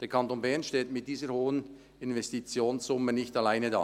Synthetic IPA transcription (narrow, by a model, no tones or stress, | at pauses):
d̥eːɐkʰɑntoːnbɛɐnʃteːtmɪt̚d̥iːzəɾhoːən | ɪnvɛstit͡sjoːnszʊmənɪçtalaɪnəda̰ː